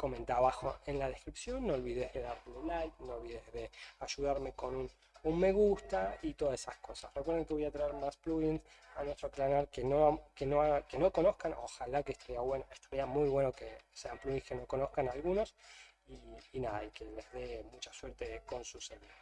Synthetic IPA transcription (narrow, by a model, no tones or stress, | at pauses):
ko̞mẽ̞nt̪aβaxoenlað̞ehkɾipsjo̞nːoːlβiðeðe̞ðaɾt̪elelajk̚noolβiðezðe̞aʒuðaɾme̞ko̞nun | unme̞ɣust̪ait̪o̞ðaesasko̞sasrekweɾðeŋkeβojat̪ɾaeɾmaspluɣinanwe̞st̪ɾoklanaɾkenokenoakeno̞ko̞no̞hkano̰xalakeːhst̪aɾiaβwenoeht̪aɾiamujβwe̞nokeseampluɣĩnske̞noko̞nohkanalɣuno̞s | iːnaða̰ikelezðemut͡ʃasweɾt̪eko̞nsuseluo